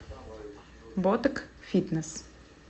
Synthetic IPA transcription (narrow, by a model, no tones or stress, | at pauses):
bɔt̪əkfit̪nəs